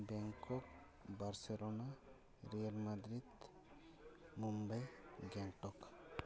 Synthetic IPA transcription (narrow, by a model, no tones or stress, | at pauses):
bɛŋkɔk̚ | baɾsɛlɔna | ɾijalmad̪ɾid̪ | mumbajɡɛŋʈɔk